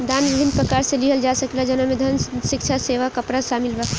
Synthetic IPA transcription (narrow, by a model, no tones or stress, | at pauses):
d̪anʋibʱinpɾəkaɾsẽliɦəld͡ʒasəklad͡ʒənəmed̪ʱənʃɪkt͡ʃʰaseʋakəpɾasamilba